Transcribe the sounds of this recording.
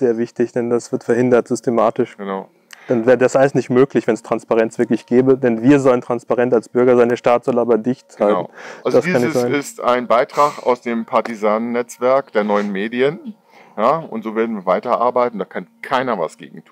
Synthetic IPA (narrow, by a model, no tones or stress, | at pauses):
z̥eːɐvɪçtɪçd̥ɛndasv̥ɪɐtfɛɐhɪndɐtz̥ʏstemaːtɪʃɡ̥ənaʊ | d̥anvɛːʁədasʔaləsnɪçtmøːklɪçv̥ɛnɛstʁ̥anspaʁɛnt͡sv̥ɪɐklɪçɡ̥ɛːbədɛnviːɐzɔləntʁ̥anspaʁɛntalsb̥ʏɐɡɐzaɪndeːɐʃtaːtz̥ɔlʔaːbɐdɪçthaln̩azdaskdianːɪz̥aɪnɪsta̰ɪnbaɪtʁ̥aːχa̰ʊsd̥eːmpʰaɐtizaːnnːɛt͡sv̥ɛɐkd̥eːɐnɔʏənmeːdiən | jaːʊ̰ntz̥oːveːɐdn̩viɐvaɪtɐʔa̰ɐbaɪtn̩d̥aːkʰankʰaɪnɐva̰sɡ̥ḛːɡŋ̩tʰuːn